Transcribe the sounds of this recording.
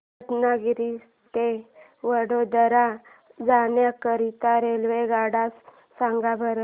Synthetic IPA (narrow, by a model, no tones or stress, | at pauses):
t̪naɡiɾis | t̪e | ʋəɽod̪əɾa | d͡zanjakəɾit̪aɾelʋeɡaɽasː | ãŋɡabʱəɾə